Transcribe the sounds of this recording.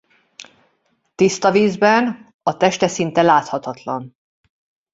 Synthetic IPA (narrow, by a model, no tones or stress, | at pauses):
t̪ist̪ɒviːzbɛn | ɒt̪ɛʃt̪ɛsint̪ɛlaːt̪hɒt̪ɒt̪lɒn